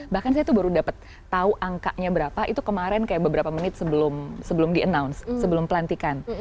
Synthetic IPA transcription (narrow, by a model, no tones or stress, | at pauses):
bahkans̬ajat̪ubaɾudapət̪ː | auʔaŋkaʔɲabəɾapaʔit̪ukəmaɾɛnkajaʔbəbəɾapamənɪt̪̚səbəlʊmsəbəlʊmdiʔənawnssəbəlʊmpəlant̪ikan